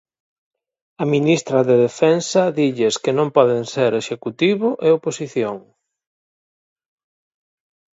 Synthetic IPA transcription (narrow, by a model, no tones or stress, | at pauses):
ɐminist̪ɾɐðeðefɛnsɐðiʎeskenõmpɔðeŋseɾeʃekut̪iβʊʔeoposiθjoŋ